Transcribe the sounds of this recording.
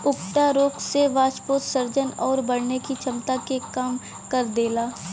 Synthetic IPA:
ʊkʈaɾoːkseʋaːt͡ʃpoːt̪sɐɾd͡ʒənɔːɾbɐɽnekit͡ʃʰɐmt̪akekaːm | kɐɾd̪eːlaː

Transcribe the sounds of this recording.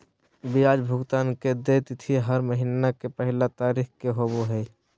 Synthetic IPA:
bijaːd͡ʒbʱʊɡt̪aːnked̪et̪ɪt̪ʰiɦəɾməɦinakepəɦɪlat̪aːɾiːxkeɦoboɦɛ

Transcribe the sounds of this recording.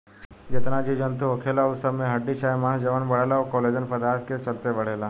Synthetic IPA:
d͡ʑet̪nad͡ʑid͡ʑənt̪uɦokʰelausəmeɦəɖːiɕajmãd͡ʑəʋəɳbəɽalaʋkoled͡ʑənpəd̪aɾt̪ʰket͡ɕəlt̪eʋəɽ̤ela

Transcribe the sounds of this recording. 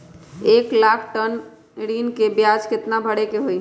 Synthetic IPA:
eːklaːkʰʈən | ɽiːnkebjaːd͡ʒkɪt̪nabʱəɽekeɦoi

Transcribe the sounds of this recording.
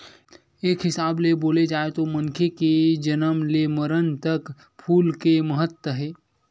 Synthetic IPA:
eːkɦɪsaːbleboːled͡ʒaːet̪omɐnkʰeked͡ʒənəmleməɾənt̪ək | pʰuːlkeməɦət̪wəɦɛː

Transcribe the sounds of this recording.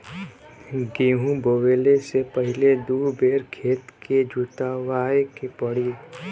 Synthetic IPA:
ɡeːɦũboʋeːlesepəɦɪled̪uːɾbeːɾkʰeːt̪ked͡ʒʱuʈ̪aʋaːekepəɽi

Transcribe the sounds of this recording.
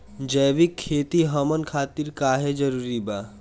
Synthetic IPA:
d͡ʒəjʋikʰːet̪iɦəmənkʰat̪iɾkaɦed͡ʒəɾuɾiba

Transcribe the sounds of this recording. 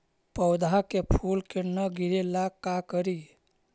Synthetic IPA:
pəwd̪ʱakepʰulkenəɡʱiɾelakakəɾi

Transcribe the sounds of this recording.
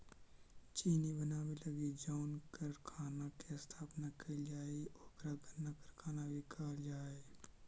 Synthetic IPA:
t͡ʃiːnibənaːbelɐɡid͡ʒaʊnkəɾkʰaːnakest̪ʰaːpnakəd͡ʒaːeɔːɾɡɾaɡənːakəɾkʰaːnabʱikaːld͡ʒaːe

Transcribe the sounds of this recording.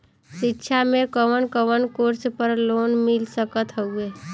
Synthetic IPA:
sitːʃʰamekəʋənkəʋənkoɾspəɾlonmilsəkət̪ɦəue

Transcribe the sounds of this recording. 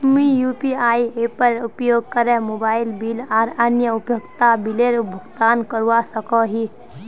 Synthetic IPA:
mijuːpiaːiepəɾupjoːɡ̚kəɾẽmobaːɪlbiːlaːɾənjəʊpjoɡt̪abileɾbʱəɡt̪aːnkəɾuasəkɔɦi

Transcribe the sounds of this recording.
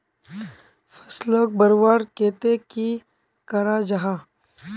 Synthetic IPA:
fɐsloːk̚bəɾwaːɾkeːt̪eki | kɐɾad͡ʒɐɦa

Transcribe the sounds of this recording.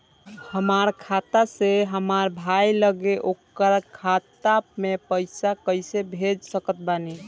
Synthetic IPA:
həmaɾkʰat̪aseɦəmaɾbʱajləɡeʔokkəɾkʰat̪amepəjsakəɪsebʱed͡ʒsəkət̪̚bani

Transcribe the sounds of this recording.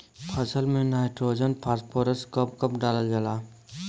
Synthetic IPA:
pʰəsəlmẽnaːɪʈɾoːd͡ʒənpʰaːspʰoːɾəskəp̚kəpɖaːləd͡ʒalaː

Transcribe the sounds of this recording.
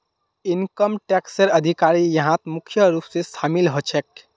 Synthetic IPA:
inkəmʈɛksəɾəd̪ʱikaɾijəɦãt̪mukʰjəɾupsest̪ʰamilɦot͡ʃʰɛk̚

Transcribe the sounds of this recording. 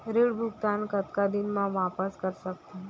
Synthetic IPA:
ɾiːɽbʱuɡt̪ankət̪kad̪inmãʋapəskəɾsək̚t̪e

